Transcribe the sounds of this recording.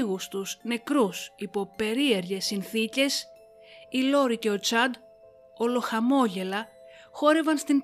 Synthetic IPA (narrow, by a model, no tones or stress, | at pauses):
ɣust̪usne̞kɾusipo̞pe̞ɾie̞ɾʝe̞sːinθice̞s | ilo̞ɾice̞o̞t͡sɐd̪ | o̞lo̞xɐmo̞ʝe̞lɐ | xo̞ɾe̞vɐnst̪in